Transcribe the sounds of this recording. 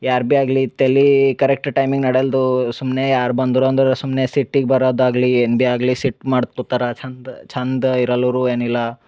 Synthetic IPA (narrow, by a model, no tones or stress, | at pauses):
jaːɾbiaːɡlit̪elːikɐɾek̚ʈʈɐjmiŋɡnɐɽeld̪usumneːjaːɾbɐnd̪ɾoːnd̪ɾsumnesiʈːiɡbɐɾoːd̪aːɡlienbiaːɡlisiʈmaːɽt̪̚kut̪aɾɐt͡ʃʰɐnd̪t͡ʃʰɐnd̪iɾɐlɐʋɾuːeːnilːɐ